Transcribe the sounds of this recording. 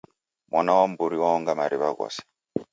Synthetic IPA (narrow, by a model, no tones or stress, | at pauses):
mwʔanawambuɾiwaɔŋɡamaɾiβaɡa̰sḁ